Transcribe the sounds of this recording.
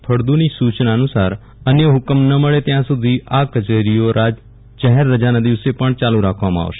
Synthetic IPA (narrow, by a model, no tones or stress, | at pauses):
pʰəɽd̪unisut͡ʃnaənusaɾ | ənjəɦʊkəmnəməɭet̪jãsud̪ʱiʔakət͡ʃeɾijoɾad͡ʒ | d͡ʒəɦeɾːəd͡ʒanad̪iʋsepəɳt͡ʃalũɾakʰʋamãa̰ʋʃe̥